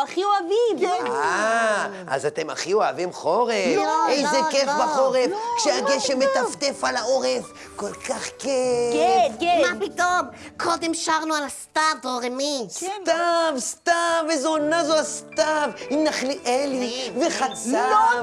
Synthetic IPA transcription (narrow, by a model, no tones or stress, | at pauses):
aχioavima | a̰zat̪e̞ma̰χioavimχoʁeejzekefbaχoʁefkʃeaɡeʃemːet̪aft̪efalaoʁef | ko̞lkaχke | mapit̪omkʰo̞d̪emʃaʁnualast̪avoʁemist̪avst̪avezonazoast̪avimnaχliʔeliveχat͡sa